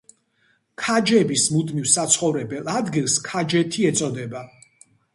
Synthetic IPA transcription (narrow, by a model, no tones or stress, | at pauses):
kʰad͡ʒɛbismud̪mivsat̪sʰχɔvɾɛbɛlˠad̪ɡilˠskʰad͡ʒɛt̪ʰiɛt̪sʼɔd̪ɛba